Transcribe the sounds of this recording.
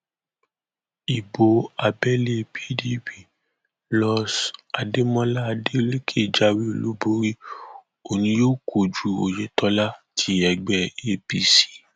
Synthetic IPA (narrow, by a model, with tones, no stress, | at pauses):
i˨bo˧a˨bɛ˦le˧bi˦di˦pi˨ | lɔ˧sa˨de˦mɔ̃˦la˦˧de˦ɾe˦kʰe˦˨d͡ʒa˧˦wi˦o˨lu˨˦bo˧˦ɾi˦ | o˨nĩ˧joː˦˨kʰo˨d͡ʒu˨o̰˨je˨tʰɔ˧˦la˦tʰi˨˦ɛ˨ɡ͡bɛ˧e˦pi˧si̥˦